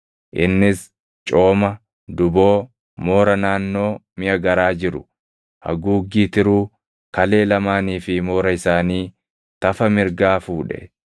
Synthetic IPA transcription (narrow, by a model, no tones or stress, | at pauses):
ʔɪnːɪs | t͡ʃʼo̞ːmɐ | d̪ʊbo̞ː | mo̞ːɾɐnaːnːo̞ːmɪʔɐɡɐɾaːd͡ʒɪɾʊ | hɐ̰ɡuːɡːiːt̪ɪɾuː | kɐle̞ːlɐmaːniːfɪmo̞ːɾɐɪsaːniː | t̪ɐfɐmɪɾɡaːfuːᶑɛ̰